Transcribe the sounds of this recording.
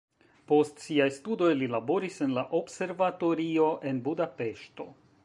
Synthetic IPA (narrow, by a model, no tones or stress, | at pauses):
po̞stsiajstudo̞jlilabo̞ɾise̞nlaʔo̞bse̞ɾvato̞ɾio̞ʔe̞nbudape̞ʃto̞̰